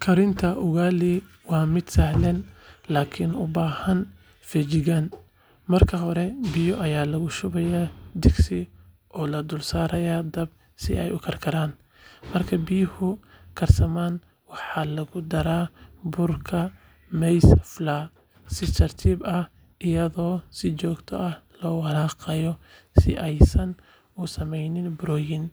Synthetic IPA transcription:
kʰɐɾɪnt̪ʰɐʔʊɣaːli | wɑːmɪd̪̥sɐhlɛnlaːkʰɪnʊbaːhɐn | fɛt͡ʃɪɣan | mɐrkʰɐɦɔɾɛbɪjɔʔɐjaːlɐɣʊʃʊβɛjaːd̪ɪɡsɪ | ʔɔːlɐd̪ʊlsaːɾɐjaːd̪ɐb̚ | sɪ̰ɛ̰jʊkʰɐrkʰɐɾaːn | mɐrkʰɐbɪjhʊ | kʰɐrsɐmaːn | wɑħɑlɐɣʊd̪ɐɾaːbʊrkʰɐ | mɛjsɐflaː | sɪt͡ʃʰɐrt̪ʰiːbɐh | ʔɪjɐðɔːsɪt͡ʃɔːɡt̪ʰɔ̰ʔɐhlɔːwɑɾaːqɑjɔsɪ̰ʔɛjsɐn | ʊsɐmɛjnɪnbʊɾɔːjɪn

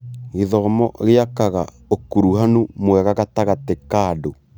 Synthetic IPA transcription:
ɣeðɔmɔɣeakaɣa | okuɾuɦanumwɛɣaɣataɣatekado

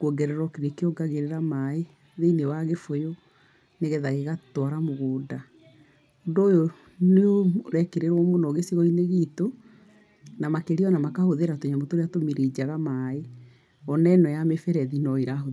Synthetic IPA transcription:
kuɔɡɛɾɛɾɔkeɾekeɔɡaɣeɾeɾamae | ðeinewaɣefojo | neɣɛðaɣeɣatwaɾamoɣoːda | ondoːjo | neoɾɛkeɾeɾɔmonɔɣesiɣɔineɣito | namakeɾiɔnamakahoðeɾatoɲamotoɾeatomeɾed͡ʑaɣamae | ɔnɛnɔjamefɛɾɛðinɔeɾaɦo

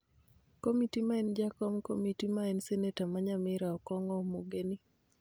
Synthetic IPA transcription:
komitimaɛnd͡ʒakɔmkomitimaɛnsɛnetamaɲamɪɾaɔkɔŋɔmoɡeni

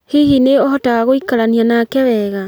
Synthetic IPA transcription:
hihineɔɦɔtaɣaɣoikaɾanianakɛβɛɣa

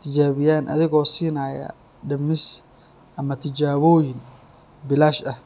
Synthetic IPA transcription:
t̪ʰɪt͡ʃaːβɪjaːnʔɐ̰ðɪɣɔːsiːnaːjɐ̰ | ɖɐmɪs | ʔɐmɐt̪ʰɪd͡ʒaːβɔːjɪn | bɪlaːʃɐh

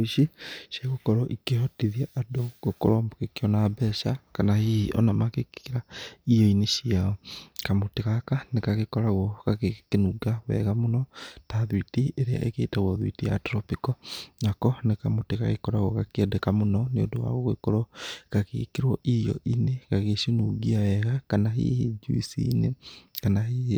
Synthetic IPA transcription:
iʃiʃaɣokɔɾɔʔikehɔtiðiaʔadoɡoko̰ɾɔmokekiɔnabɛʃakanahiiʔɔ̰namakekiɾaijɔineʃiaɔkamotikakanekaɣekɔɾaɣɔkakekenuɡawɛ̰ɣamonɔtaðwitieɾea̰ʔekeitaɣwɔðwḭtija̰tɾɔpikɔnakɔnekamutikaɣekɔɾaɣɔkakiɛdekamunɔniodowa̰ɣoɣwḛkoɾɔkakḛkiɾwɔʔijɔ̰ʔinekaɣeʃinuɡiawɛɣakanaɦḭhid͡ʒṵisḭːnekanaɦihi

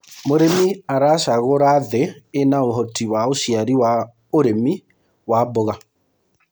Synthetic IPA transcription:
moɾemiaɾaʃaɣoɾaðeːnaoɦɔtiwaoʃiaɾiwa | oɾemi | waboɣa

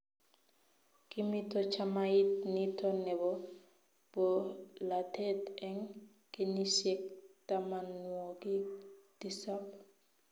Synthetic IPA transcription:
kimitɔt͡ʃamajit̚nitɔnɛbɔ | b̥ɔlatetɛŋ | kenisek̚tamanwokid̥isap

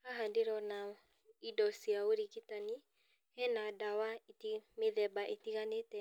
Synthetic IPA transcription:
aɦandeɾɔna | idɔsiaoɾiɣitani | hɛnadawaitimeðɛbaʔetiɣanetɛ

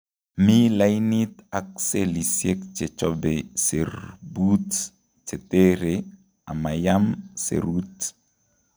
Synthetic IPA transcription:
milainit̪ak̚selisjek̚t͡ʃet͡ʃɔbeserbut | t͡ʃet̪eɾe | amajamsḛɾut

